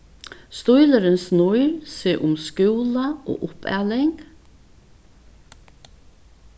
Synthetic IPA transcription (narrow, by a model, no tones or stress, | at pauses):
st̪ujləɾɪnsnʊjɾseːʔʊmskʉwlaʔo̰ːʔʊpʰæ̰ːlɪŋk